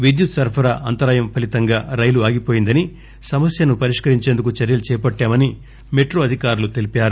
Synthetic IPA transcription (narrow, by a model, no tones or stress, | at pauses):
ʋid̪jut̪sɐɾpʰɐɾɐʔɐnt̪ɐɾaːjɐmpʰɐlit̪ɐŋɡaːɾɐjluaːɡipo̞ːjind̪ɐni | sɐmɐsjɐnupɐɾiʂkɐɾiɲt͡ʃeːnd̪uk̬ut͡ʃɐɾjɐlut͡ʃɛːpɐʈːaːmɐni | meʈɾoːɐd̪ʱikaːɾulut̪elipjaːɾu